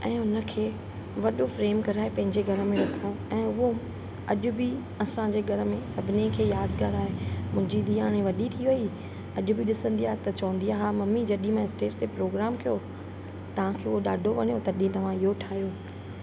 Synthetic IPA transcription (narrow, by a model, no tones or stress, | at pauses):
ɛ̃ːʊnə̆kʰeː | ʋɐɗofɾeːmkɐɾaːɦepɐ̃ɦɪ̃ɲd͡ʑeɡʱɐɾəmẽɾɐkʰə̆ | ɛ̃ːʊɦo | ɐʄʊbɪ | ɐsãd͡ʑeːɡʱɐɾə̆mẽsɐbʱɪnekʰeːjaːd̪kaːɾaːɦemʊ̃ɦɪ̃ɲd͡ʑid̪iaːɽ̃ẽʋɐɗit̪ʰiʋɐi | ɐʄʊbʱiɗɪsə̃nd̪iaːɦet̪ɐt͡ɕɐʋə̃nd̪iaːɦamɐmid͡ʑɐɗĩmãɪsʈeːt͡ɕt̪epɾoːɡɾaːmkijo | t̪ɐʋ̤ãkʰeːʊɦoɗaːɖʱoʋɐɲjot̪ɐɗĩt̪ɐʋ̤ãɪɦoʈʰaːɦijoː